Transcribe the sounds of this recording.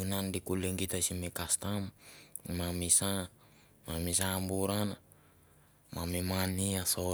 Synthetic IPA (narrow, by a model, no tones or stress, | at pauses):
unandikuleŋɡit̪asimekast̪ammamisa | mamis̬ambuɾana | ma̰mimaniaso